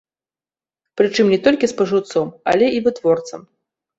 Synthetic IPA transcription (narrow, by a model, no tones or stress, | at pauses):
pɾɨt͡ʂɨmnʲɛt̪ɔlʲkʲispɐʐɨwt̪sɔmɐ̰lʲɛivɨt̪vɔrt̪sɐm